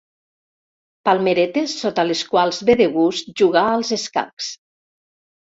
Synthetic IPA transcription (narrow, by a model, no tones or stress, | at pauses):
palˠmeɾet̪esːot̪aleskwalˠzβeðeɣust̪̚ʒuɣaəlˠzeska̰ks